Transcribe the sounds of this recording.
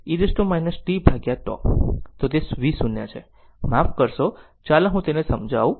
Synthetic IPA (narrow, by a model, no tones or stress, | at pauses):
iɾisʈomajnəsʈibʱaɡjaʈɔ̰t̪ot̪esʋisunja̰t͡ʃʰe | mafkəɾʃo | t͡ʃalaɦũt̪enesəmd͡ʒʱa̰ʋũ